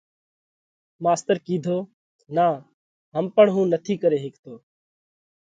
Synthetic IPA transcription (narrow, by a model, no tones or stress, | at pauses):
maːst̪əɾkiːd̪ʱoː | naː | ɦəmpəɳɦũːnət̪ʰiːkəɾeːɦɪkt̪oː